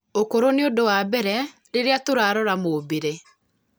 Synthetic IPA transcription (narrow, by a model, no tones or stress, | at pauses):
okoɾoneodowaːbɛɾɛ | ɾeɾeatoɾaːɾɔɾamoːbeɾe